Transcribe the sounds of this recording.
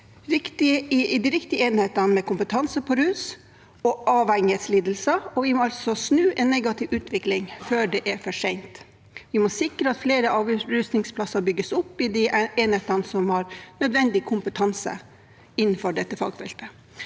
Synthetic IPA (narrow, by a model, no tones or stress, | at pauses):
ɾɪkt̪ɪd̪ɪɾɪkt̪ɪəeːnheːt̪ɑnmɛkʰʊmpət̪ʰɑnsəpʰɔɾʉːs | ɔʔɑːʋɛŋəsliːd̪əl̩sɑɔʋɪmɔɑlsɔsnʉːʔɛnːeɡɑt̪ɪʋʉːt̪ʰʋɪklɪŋføːɖɛːʔɛɾfɔʂɛɪnt̪ | ʋɪmɔsɪkɾəɑt̪fleːɾəɑːʋɾʉst̪nɪŋspʰlɑsɑɾbʏɡəsʊpːɪd̪ieːnheːt̪ɑnsɔmhɑɾnœd̪ʋɛnd̪ɪkʰʊmpət̪ʰɑnsə̰ | ɪn̩ːfɔɖɛt̪ːəfɑ̰ɡfɛ̰lt̪ə